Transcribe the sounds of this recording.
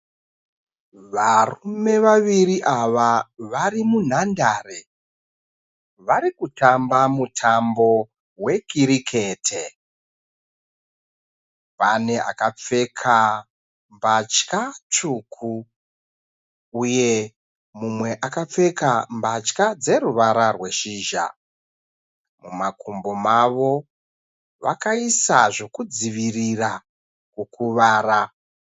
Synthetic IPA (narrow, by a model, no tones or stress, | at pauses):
ʋarume̞ʋaʋiriʔaʋaʋarimun̤andaːre | ʋaɾikutambamutʰambo̞ | we̞kiɾikʰe̞ːtʰe | pane̞a̰kap͡fe̞kʰa | mbat͡ʃkat͡ʂukʰu | uje̞ | mumwe̞ʔakap͡fe̞kambat͡ʃkad͡ze̞ruʋaɾarwe̞ʃiːʒa̰ | mumakʰumbo̞maʋo̞ | ʋa̰kaisa̰ʐo̞kud͡ziʋirira | kukuʋaːra